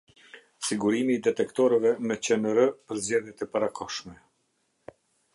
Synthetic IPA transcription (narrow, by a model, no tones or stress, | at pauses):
siɡuɾimiːd̪ɛt̪ɛkt̪ɔɾəvɛmət͡ɕənəɾəpəɾzd͡ʑɛðjɛt̪ɛpaɾakʰɔʃmɛ